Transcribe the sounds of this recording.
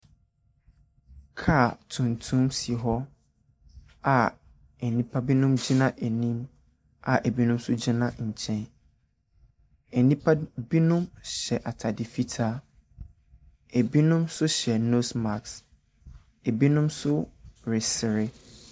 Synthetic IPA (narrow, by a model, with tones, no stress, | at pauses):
kʰa˦˨tʰũ˨ntʰũ˦msi˨ɦɔ˦ | a˨ | ɛ˨nĩ˦pʰa˦bi˦nũ˦md͡ʑi˦nã˦ʔe˨nĩ˦m | a˨ʔe˨bi˦nũ˦msʊ˦d͡ʑi˦nã˦ɲ̩˨t͡ɕʰɛ̃˦n | ɛ˨nĩ˦pʰa˦bi˦nũ˦mɕɛ˨ʔa˨tʰa˨dɪ˨fi˦tʰa˦ | e˨bi˦nũ˦msʊ˦ɕɛ˨no˦sma˨ks | e˨bi˦nũ˦msʊ˦ɾɪ˨sɪ˨ɾɪ˦